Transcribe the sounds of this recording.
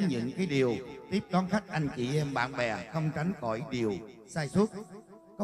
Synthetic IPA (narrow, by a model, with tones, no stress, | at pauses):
ɲɨ̰˧˥ŋkaː˨˦jɗi˨˩əwt̪i˦˥p̚kɔ˨˦nxa˦˥jk̟̚ʔa˧jŋ̟t͡ɕḭ˧˨ʔɛ˧mɓa̰ː˧˨nɓɛ˨˩xə˧wŋ͡mt͡ɕa˨˦ŋ̟xɔ̰˧˩jɗi˨˩əwsaː˧jswu˦˥t̚ | kɔ˨˦